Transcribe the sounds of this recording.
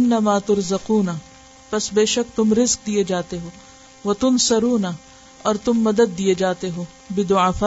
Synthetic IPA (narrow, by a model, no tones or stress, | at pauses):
ɪnːɐmaːt̪ʊɾzɐquːnɐ | pɐsbeːʃɐkt̪ʊmɾɪzq̚d̪ijed͡ʒaːt̪eɦoː | ʋɐt̪ʊnsɐɾuːnɐ | ɔːɾt̪ʊmːɐd̪əd̪ːied͡ʒaːt̪eɦoː | bɪd̪ʊaːfaː